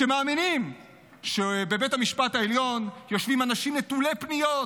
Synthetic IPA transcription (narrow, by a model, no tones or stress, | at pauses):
ʃemaːminim | ʃebe̞betamiʃpat̪haeljo̞njo̞ʃvimanaʃimnet̪ulepnijot